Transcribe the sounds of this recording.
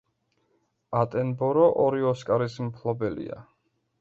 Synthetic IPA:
at̪ʼɛnbɔɾɔʔɔɾiɔskʼaɾismpʰlˠɔbɛlḭa̰

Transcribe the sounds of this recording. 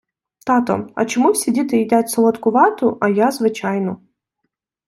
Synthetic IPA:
t̪ɑt̪ɔ̰ɐ̰t͡ʃɔmuwsʲidʲit̪ɪjɪdʲatʲsɔlˠɔt̪kʊʋɑt̪ʊʔɐjazʋɪt͡ʃajnɔ

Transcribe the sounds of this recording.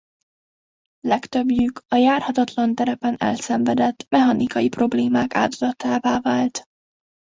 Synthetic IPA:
lɛkt̪ø̞bjykʰɒjaːrhɒt̪ɒt̪lɒnt̪ɛɾɛpɛnɛ̰lsɛɱvɛd̪ɛt̪ːmɛɦɒnʔikɒjipro̞bleːmaːka̰ːd̪od̪ɒt̪aːvaːvaːlt̪

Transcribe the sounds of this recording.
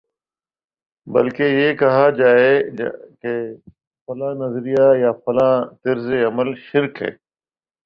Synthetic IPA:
bə̰lkejeːkɐɦaːd͡ʒaːeke | fɐlãːnəzɾijajaːfɐlãːt̪ɪɾzeɐməlʃɪɾkɦḛː

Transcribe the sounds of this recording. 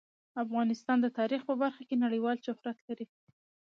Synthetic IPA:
afɣɑnɪst̪ɑnd̪ət̪ɑɾixpəbaɾxakenaɽəjwɑlʃʊhɾat̪laɾi

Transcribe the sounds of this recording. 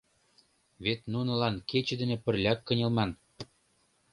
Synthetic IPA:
βet̪nunɤ̆lɑnket͡ɕɘ̆d̪ɘ̆nĕpə̆rlʲɑkːɤ̆nʲɤ̆lmɑn

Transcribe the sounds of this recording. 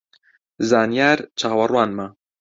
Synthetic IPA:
zaːnjaːɾt͡ʃʰaːwɐrwaːnma

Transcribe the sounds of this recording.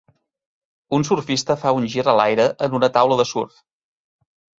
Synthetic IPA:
unsurfist̪əfaunʲʒiɾəlajɾəʔənunət̪awləðəsurf

